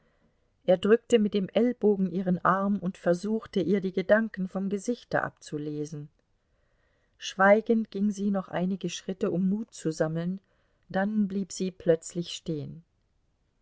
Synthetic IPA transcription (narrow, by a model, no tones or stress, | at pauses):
ʔeːɐdʁʏk̚təmɪt̚d̥eːmʔɛlboːɡŋ̩ʔiːʁ̞ənʔaɐmʊntfɛɐzuːxtəʔiːɐdiːɡədaŋkn̩fɔmɡəzɪçtɐ̰ʔa̰pt͡suleːzn̩ | ʃv̥aɪɡəntɡ̥ɪŋziːnɔχʔa̰ɪnɪɡəʃʁ̥ɪtəʔʊmːuːtt͡suzaml̩n | d̥anbliːpz̥iːpʰl̥œt͡slɪçʃteːən